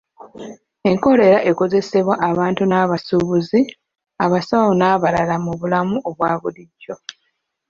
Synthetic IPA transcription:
e̞ŋko̞ɾe̞ɾaʔe̞ko̞ze̞se̞βwaʔaβaːntunaːβasuβuzi | aβasawonaːβalalamuβulamuʔoβwaːβuliɟːo̞

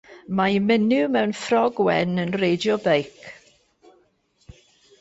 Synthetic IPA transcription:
majmɪnɪmɛwnfrɔɡwɛnənrejdjɔbejk

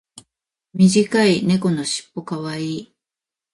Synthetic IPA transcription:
mʲiʑikaine̞ko̞no̞ɕi̥pːo̞kaβaiː

